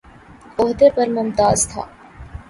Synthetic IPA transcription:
oɦd̪epɐɾmʊmt̪aːzt̪ʰa̰ː

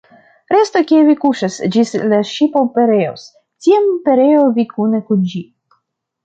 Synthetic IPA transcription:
ɾestokʲievikuʃasd͡ʒislaʃipopeɾeo̰s | tiampeɾejovikunekund͡ʒi

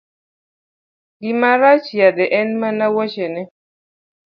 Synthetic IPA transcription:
ɡimaɾat͡ʃjad̪ɛʔɛnmanawɔt͡ʃɛnɛ

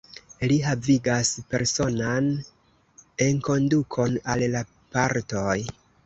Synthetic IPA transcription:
liɦaviɡaspe̞̰ɾso̞nan | e̞nko̞ndukʰo̞nalla | paɾto̞j

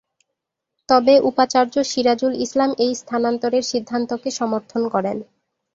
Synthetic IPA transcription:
t̪ɔbeʔupat͡ɕaɾd͡ʑoʃiɾad͡ʑulislamejst̪ʰanant̪oɾeɾʃid̪ʱːant̪okeʃɔmoɾt̪ʰonkɔɾen

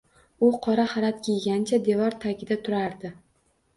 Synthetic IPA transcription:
ʊqʰɒɾaχɑɾat̪kʲejɡʲant͡ʃʰad̪e̞vɒɾt̪ʰaɡʲɪd̪at̪ʰʊɾaɾd̪ɪ

